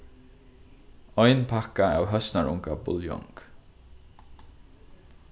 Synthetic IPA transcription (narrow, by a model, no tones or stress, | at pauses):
ɔjnpʰakaawɦœsnaɹʔʊ̰ŋkabʊ̰ljɔ̰ŋk